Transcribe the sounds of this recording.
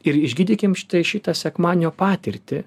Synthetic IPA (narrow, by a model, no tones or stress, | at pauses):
ɪɾɪʒʲɡʲiːd̪ʲiːkʲɪmʃʲɪ̥t̪ɐɪʃʲɪt̪ɐsʲɛkmɑːnʲnʲoːpɑːt̪ʲɪɾʲt̪ʲɪ